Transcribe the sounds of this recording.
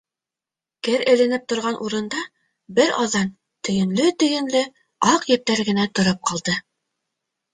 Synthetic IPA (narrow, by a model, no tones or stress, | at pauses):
kɘɾɘ̆lɘ̆nɘp̚t̪ŏɾʁɑnʔuɾɤ̆nd̪ɑ | bɘɾɑ̰ðɑn | t̪ɵ̆jɘ̆nlɵt̪ɵ̆jɘ̆nlɘ | ɑqjɘ̆p̚t̪æɾɡɘ̆næt̪ŏɾɤp̚qɑlˠd̪ɤ